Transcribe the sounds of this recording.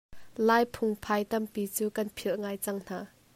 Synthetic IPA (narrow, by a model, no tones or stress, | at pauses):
laːjpʰʊŋpʰajt̪ɐmpit͡suːkɐnpʰilʔŋaːjt͡sɐŋn̥aː